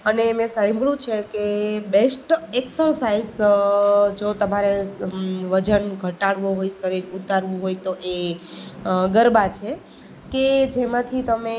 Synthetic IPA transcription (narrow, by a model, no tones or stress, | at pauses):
ənemẽsãbʱɭũt͡ʃʰekebesʈeksəɾsaiz | d͡ʒot̪əmaɾe | ʋəd͡ʒənɡʱəʈaɽʋoɦojʃəɾiɾut̪aɾʋũɦojt̪oʔe | ɡəɾbat͡ʃʰe | ked͡ʒemãt̪ʰit̪əme